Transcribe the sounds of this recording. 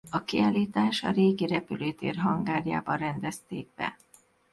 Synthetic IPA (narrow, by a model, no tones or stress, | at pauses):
ɒkiaːliːt̪aːʃɒ̰ɾeːɡiɾɛpyløːt̪ḛːrɦɒŋɡaːrja̰ːbɒrɛnd̪ɛst̪eːɡ̚bɛ̰